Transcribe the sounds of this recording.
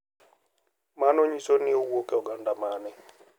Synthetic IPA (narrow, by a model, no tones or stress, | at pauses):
manɔɲisonɪowokeɔɡandamanɪ